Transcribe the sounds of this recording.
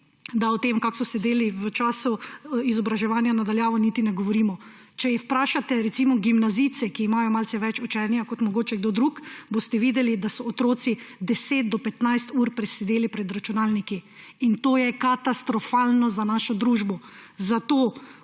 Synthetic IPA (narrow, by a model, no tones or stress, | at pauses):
d̪aɔt̪eːmkaksɔsɛd̪eːliʋət͡ʃaːsuizɔbɾaʒɛʋaːnjanad̪aljaːʋɔnit̪inɛɡɔʋɔɾiːmɔ | t͡ʃɛjɛwpɾaːʃat̪ɛɾɛt̪siːmɔɡimnazit̪sɛkiːmajɔmalsɛʋɛt͡ʃut͡ʃɛːnjakɔt̪mɔɡoːt͡ʃɛɡd̪oːd̪ɾukbost̪ɛʋiːd̪ɛlid̪asɔːt̪ɾoːt̪sid̪ɛset̪̚d̪ɔpɛt̪najst̪uːɾpɾɛsɛd̪eːlipɾɛd̪ɾat͡ʃunaːlniki | int̪oːjɛkat̪ast̪ɾɔfalnɔzanaːʃɔd̪ɾuʒbɔzat̪oː